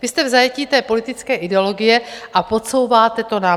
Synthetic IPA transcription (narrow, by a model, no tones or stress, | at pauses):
vɪst̪ɛvzajɛciːt̪ɛːpo̞lɪt̪ɪt͡skɛːʔɪdɛo̞lo̞ɡɪjɛʔapo̞t͡so̞wvaːt̪ɛt̪o̞na